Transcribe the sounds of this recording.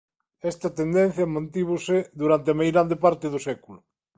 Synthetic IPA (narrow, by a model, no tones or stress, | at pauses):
ɛst̪ɐt̪end̪ẽn̟θjɐmãnt̪iβ̞oseðuɾant̪eamejɣɾand̪epaɾt̪eðosɛkulʊ